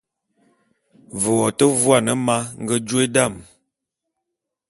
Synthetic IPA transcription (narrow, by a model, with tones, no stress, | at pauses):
və˨wɔ˨tə˦vwa˦˨nə˨ma˦ŋ̩˦ɡə˦d͡ʒwe˦da˦˨m